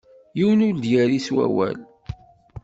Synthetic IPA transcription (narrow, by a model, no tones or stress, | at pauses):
jiwənʊɾd̪jæɾiswæ̰wæ̰l